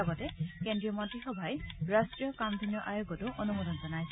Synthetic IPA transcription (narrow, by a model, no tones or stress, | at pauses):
ɡɔtɛkendɹiɔmɔntɹixɔbʱajɹastɹijɔkamd̪ʱinijɔʔajoɡɔtʊʔonumɔdɔnzɔnaj